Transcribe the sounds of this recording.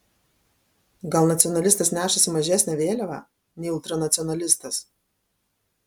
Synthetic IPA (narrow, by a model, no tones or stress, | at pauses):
ɡɐlˠnɐt̪sʲɪɔnɐlʲɪst̪ɐsnʲæːʃɐsʲɪmɐʒʲæˑsʲnʲɛʋʲeːlʲɛʋɑ̰ː | nʲɛɪɪlˠt̪ɾɐnɐt̪sʲɔnɐlʲɪst̪ɐs